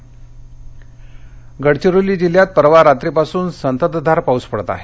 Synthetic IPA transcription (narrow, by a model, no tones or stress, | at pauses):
ɡəɽt͡ɕiɾuliːd͡ʑiljat̪̚pəɾʋaɾat̪ɾipasuːnsənt̪əd̪d̪ʱaɾpauspəɽt̪a̰ɦe